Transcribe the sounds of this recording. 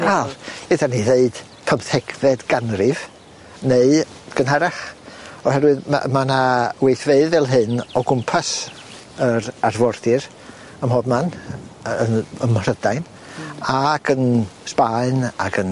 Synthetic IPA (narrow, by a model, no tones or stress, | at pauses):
kʰaledaniðeɨd̥ | pʰəmθɛɡvɛdɡanrɪv | neɨ | ɡ̥ənɦaɾaχɔɦɛɾwɨðma̰manawejθveɨðɛlˠɦɨnɔɡʊmpʰas | əɾarvɔrθɪɾ | əmhɔbman | ənəmrədajn | aɡənspaɨna̰ɡʰən